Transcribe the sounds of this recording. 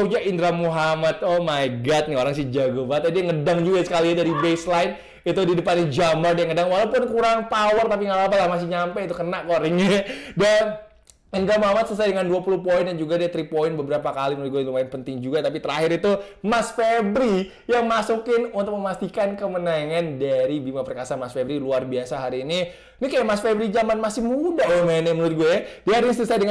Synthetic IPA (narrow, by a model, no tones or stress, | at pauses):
ud͡ʒaʔindɾamuɦamat̪̚ɔmaɡat̪̚nɪoɾaŋs̬ɪd͡ʒaɡobat̪̚adiaŋədaŋd͡ʒuɡasə̥kaliadaɾibeslaɪn | it̪udidəpanid͡ʒamadiaŋədaŋwalapʊnkuɾaŋpawərt̪ap̬iŋalapalahmas̬ɪɲampɛit̪ukənaʔkoɾɪŋɲada | ənɡamamat̪sələsajdəŋanduapuluhpoɪndand͡ʒuɡadiat̪ɾipoɪnbəbəɾapakalimənuʊɪt̪̚ɡuɛlumaɪnpənt̪ɪŋd͡ʒuɡat̪ap̬it̪əɾaɦɪɾit̪u | masfebɾi | jaŋmasukɪnunt̪ʊk̚məmast̪ikankəmənaŋandaɾibimapərkasamasfebɾiluarbiasaɦaɾiːni | nikajaʔmasfebɾid͡ʒamanmasɪhmudaamanɛmənuɾɪt̪̚ɡuɛjadiaɦaɾinisələsajdəŋ